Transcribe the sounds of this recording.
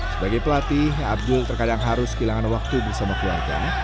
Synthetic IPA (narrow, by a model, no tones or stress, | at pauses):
səbaɡajpəlat̪iɦab̚dʊlt̪ərkadaŋɦaɾʊskəilaŋanwak̚t̪ubərsamakəluarɡa̰